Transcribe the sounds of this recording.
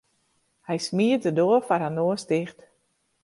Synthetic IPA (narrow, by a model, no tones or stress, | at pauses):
hɛjsmiətədoəfarɦanoəstɪxt